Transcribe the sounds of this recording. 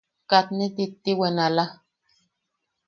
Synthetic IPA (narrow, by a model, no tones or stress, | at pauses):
kat̪nit̪it̪ːiwenala